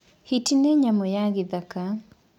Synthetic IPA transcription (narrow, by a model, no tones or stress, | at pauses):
hitineɲamɔjaɡɪd̪aka